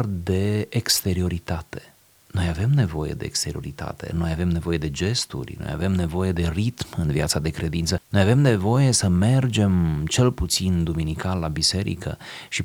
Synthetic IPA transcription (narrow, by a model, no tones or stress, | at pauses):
rd̪e̞ːkst̪e̞ɾio̞ɾit̪at̪e̞̥ | no̞jave̞mne̞vo̞je̞̰d̪e̞̰ḛkst̪e̞ɾio̞̰ɾit̪a̰t̪e̞̰no̞jave̞mne̞vo̞je̞d̪e̞d͡ʒe̞st̪ṵrʲno̞̰ja̰ve̞mne̞vo̞je̞d̪e̞rit̪mɨnviat̪sad̪e̞kɾe̞d̪int̪səno̞jave̞mne̞vo̞je̞səme̞rd͡ʒe̞mt͡ʃe̞lput̪sind̪uminikalːabise̞ɾḭkə̰ | ʃi